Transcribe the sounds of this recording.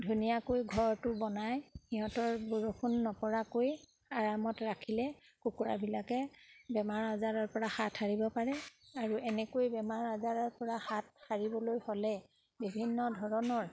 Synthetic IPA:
dʱunijakojɡʱɔɹtʊbɔnajxiɦɔtɔɹbuɹoxʰunːɔpɔɹakoj | aɹamɔtɹakʰilɛ | kukuɹa̰bilakɛbɛmaɹazaɹɔɹpɔɹahatʰaɹibɔpaɹɛaɹuʔɛnɛkojbɛmaɹazaɹɔɹpɔɹahathaɹibɔlojhɔlɛ | bibʱinːɔdʱɔɹɔnɔɹ

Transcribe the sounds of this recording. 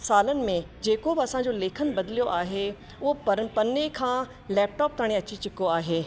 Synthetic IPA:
saːlənɪ̆mẽ | d͡ʑeːkobɪɐsãɲd͡ʑoleːkʰənbɐd̪ɪlijoʔaːɦe | ʊɦopɐɾpɐnekʰãː | lɛːp̚ʈɔːp̚t̪aːɽ̃iɐt͡ɕit͡ɕɪkoaːɦeː

